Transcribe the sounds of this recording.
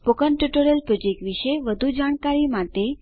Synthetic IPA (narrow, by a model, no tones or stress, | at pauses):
pokənʈjuʈoɾəlpɾod͡ʒek̚ʈʋiʃeʋəd̪ʱud͡ʒaɽ̃kaɾimat̪e